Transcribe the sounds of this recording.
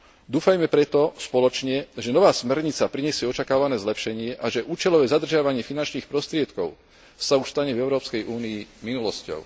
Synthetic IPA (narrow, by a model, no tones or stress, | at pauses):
d̪uːfajmɛpɾɛt̪ɔspɔlɔt͡ʃɲɛʒɛnɔʋaːsmɛɾɲit͡sapɾiɲɛsɪɛɔt͡ʃakaːʋanɛːzlɛpʃɛɲɪɛʔaʒɛʔuːt͡ʃɛlɔʋɛːzad̪r̩ʒɪaʋaɲɪɛfinant͡ʃniːxpɾɔst̪ɾɪɛt̪kɔʊ | sauʃst̪aɲɛvɛʊɾɔːpskɛjʔuːniiminulɔscɔ̰ʊ